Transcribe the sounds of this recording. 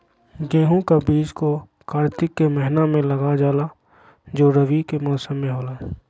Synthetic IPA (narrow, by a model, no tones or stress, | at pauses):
ɡẽːɦũkabiːd͡ʒko | kaːɾt̪ɪkːemɛɦɪnamẽlɐɡad͡ʒaːla | d͡ʒoːɾəʋikemɔːsəmːẽɦoːlaː